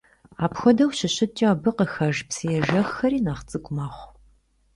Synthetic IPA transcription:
aːpxʷɔdɐwɕɪɕɪt͡ʃʼaːbɨqəxɐʒpsɨjɛʒɐxxɐɾiːnaːχt͡sʼɨkʷʼʊmaːχʷ

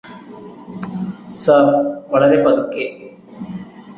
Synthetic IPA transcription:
saɾʋɐɭɐɾepɐd̪ukːe

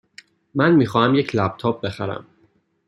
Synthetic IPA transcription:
mænmiːxɒːhæmje̞cʰlæb̥̚t̪ʰɒːp̚be̞xæɾæ̰m

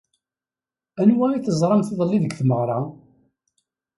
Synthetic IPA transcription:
ænwæiθəzˤɾˤɑmθiðˤəlːiðəɡθməʁɾˤɑ

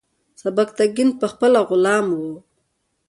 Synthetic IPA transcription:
sabak̚t̪aɡɪn̚pəxpəlaɣʊlɑmwo

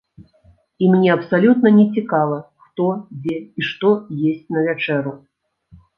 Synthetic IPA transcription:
imnʲɛɐpsalʲut̪nɐnʲɛt͡sʲikalˠɐ | xt̪ɔd͡zʲɛiʂt̪ɔjesʲt͡sʲnɐvʲat͡ʂɛɾu

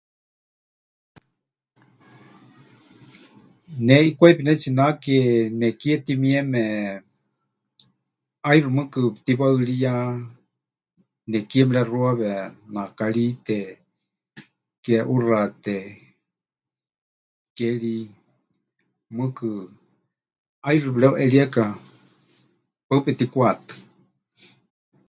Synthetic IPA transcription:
nɛikʷaipinɛt͡sʰinakɛnɛkiɛt̪imiɛmɛ | airumɨkɨt̪iβaɨɺija | nɛkiɛmɛɺɛruaβɛnakaɺit̪ɛ | kɛʔurat̪ɛ | kɛɺi | mɨkɨ | ajrupɺɛoʔɛɺiaka | paɨpɛt̪ikʷat̪ɨ̥

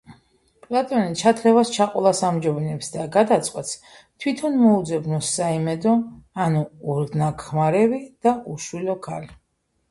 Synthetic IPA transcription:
pʼlat̪ʼɔnit͡ʃʰat̪ʰɾɛvast͡ʃʰaqʼɔlˠasamd͡ʒɔbinɛpsd̪aɡad̪at̪sʼqʼwɛt̪s | t̪ʰwit̪ʰɔnmɔud̪zɛbnɔsːaimɛd̪ɔanuːɾnakʰmaɾɛvid̪̥aʔuʃwilɔkʰa̰li

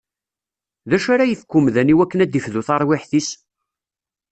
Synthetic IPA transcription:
ðæʃaɾajəfkːʊmðæniwækːənæd̪ifðuθɑɾˤwɪħθis

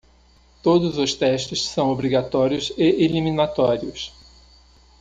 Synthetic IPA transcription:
t̪od̪ʊzʊst̪ɛʃt̪ʊssɐ̃w̃obɾiɡat̪ɔɾiʊzeʔelimĩnat̪ɔɾiʊs

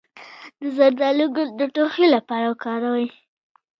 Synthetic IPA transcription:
d̪əzaɾd̪ɑluɡd̪əʈoxilapɑɾawkɑɾawəj

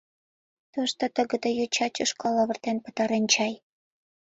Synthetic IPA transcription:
t̪oʃt̪ot̪əɣə̆d̪əjut͡ɕɑt͡ɕəʃkɑlɑβərt̪enpə̥t̪ɑɾent͡ɕɑj

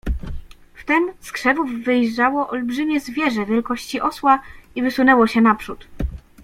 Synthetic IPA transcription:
ft̪ɛmskʂɛvuvːɘjʐawɔʔɔlbʐɘmʲɛzvʲjɛʐɛvʲjɛlkɔɕt͡ɕiʔɔswaivɘsunɛwɔɕɛnapʂut̪

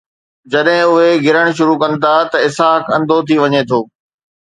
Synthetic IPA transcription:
d͡ʑɐɗɦɪ̃ʊɦeɡɪɾəɽ̃ʃ̬ʊɾukɐ̃n̆d̪at̪ɐɪsaːɦkɐ̃nd̪ʱot̪ʰiʋɐɲet̪ʰoː

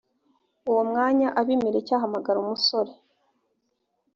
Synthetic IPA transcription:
uwomŋaːɲaʔaβimiɾecaːɦamaɡaɾumuso̞ɾe

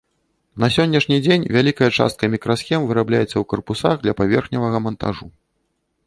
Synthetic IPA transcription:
nɐsʲɔnʲːɐʂnʲid͡zʲenʲvʲalʲikɐjɐt͡ʂa̰st̪̚kɐmʲikɾasxʲɛmvɨɾablʲajɛt̪sːɐwkɐrpusaɣd̪lʲɐpavʲɛrxnʲɐvɐɣɐmɐnt̪a̰ʐu

